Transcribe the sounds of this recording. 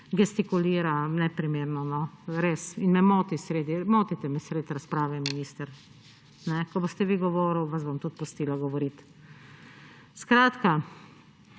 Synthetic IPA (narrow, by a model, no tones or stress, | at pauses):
ɡɛst̪ikuliːɾanɛpɾimeːɾnɔnɔɾeːsinmɛmoːt̪isɾeːd̪imoːt̪it̪ɛmɛsɾeːt̪ɾaspɾaːʋɛminiːst̪əɾ | nɛkɔboːst̪ɛʋiɡɔʋoːɾəwʋazbomt̪ut̪̚pʊst̪iːlaɡɔʋɔɾit̪ | skɾaːt̪ka